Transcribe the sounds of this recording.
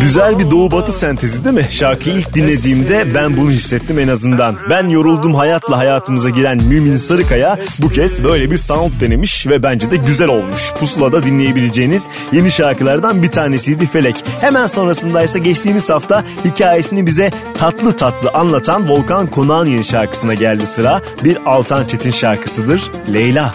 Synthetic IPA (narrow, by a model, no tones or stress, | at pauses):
ɟyzælʲbid̪o̞ubat̪ʰɯsænt̪ʰe̞zid̪imɪʃaɾkʰɯjilʲc̚d̪inlʲe̞d̪iːmd̪ɛbænbunuɦisːɛt̪ʰːime̞nazɯnd̪anbænjo̞ɾulˠd̪uːmɦajat̪lˠaɦajaːt̪ʰɯmɯzaɟiɾænmyːminsaɾɯkaja | bucʰɛzbø̞jlʲebiɾsaunt̪̚d̪e̞ne̞miʃvɛbænd͡ʒɛd̪ɛɟyzælʲo̞lˠmuʃpʰusulˠad̪ad̪inlʲe̞je̞bilʲe̞d͡ʒejiniz | je̞niʃaɾkɯlˠaɾd̪anbit̪ʰaːnesijd̪ife̞lʲɛchemænso̞nɾasɯnd̪ajsaɟɛt͡ʃt̪ʰiːmiz̥haft̪ʰa | hicʰaːje̞sinibizɛ | t̪ʰat̪lˠɯt̪ʰat̪lˠɯʔanlˠat̪ʰanvo̞lˠkankʰo̞naːnje̞niʃaɾkɯ̥sɯnaɟælʲd̪isɯɾaː | biɾalˠt̪ʰant͡ʃʰe̞t̪ʰinʃaɾkʰɯ̥sɯd̪ɯɾ̥ | lʲejlʲa